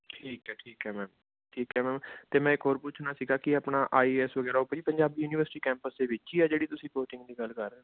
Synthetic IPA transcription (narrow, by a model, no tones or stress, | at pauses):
ʈʰiːkɦɛːʈʰiːkɦɛːmɛ̃ːm | ʈʰiːkɦɛːmɛ̃ːmt̪eːmɛ̃ːɪkɦoːɾpʊt͡ʃʰnaːsiːɡaːkɪapnaːʔaːiːɛːsʋəɡɛːɾaːʊpːd͡ʒiːpəɲd͡ʒaːbiːjuːniːʋəɾsɪ̥ʈiːkɛ̃ːmpəsd̪eːʋɪt͡ʃiːɛːd͡ʒeːɽiːt̪ʊsĩːkoːʈɪ̃ŋɡd̪iːɡəlkəɾɛ̃ː